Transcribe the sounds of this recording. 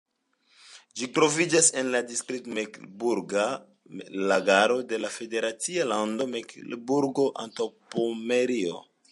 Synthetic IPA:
d͡ʒitɾo̞vid͡ʒase̞nladiskɾitmekbuɾɡa | laɡaɾo̞de̞lafe̞de̞ɾat͡sialando̞meklbuɾɡo̞ʔa̰ntawpomeɾio̰

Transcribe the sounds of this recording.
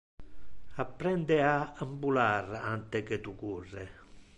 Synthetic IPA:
apːɾɛnd̪eaambularant̪eket̪ukurːe

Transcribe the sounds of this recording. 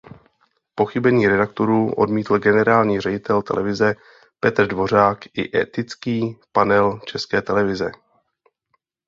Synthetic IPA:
po̞xɪbɛɲiːɾɛdak̚t̪o̞ɾuːʔo̞̰dmiːt̪l̩ɡɛnɛɾaːlɲiːr̝ɛɟɪt̪ʰɛlt̪ɛ̰lʔɛvɪzɛ | pɛt̪r̩dvo̞r̝aːkʔɪ̰ʔɛ̰t̪ɪt͡skiːpanɛlt͡ʃɛskɛːt̪ɛlɛvɪzɛ

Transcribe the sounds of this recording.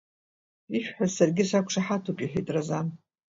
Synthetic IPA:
iʃᶣħazsarɡʲɪsakʷʂaħatʰupʼiħetʼrazan

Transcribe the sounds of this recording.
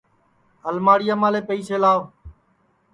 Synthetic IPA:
ɦəlmaːɽɪjaːmãːleːpəiːseːlaːo

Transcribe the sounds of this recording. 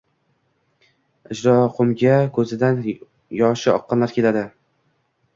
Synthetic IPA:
ɪd͡ʒɾɒqʰʊmɡʲakʰɵzɪd̪an | jɒʃɪɒ̰qʰːɨnlaɾkʲʰe̞lad̪ɪ

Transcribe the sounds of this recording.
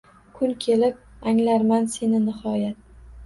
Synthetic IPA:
kʰʊnkʲʰe̞lɪp̚aŋlaɾmanse̞nɪnɪhɒjat̪̚

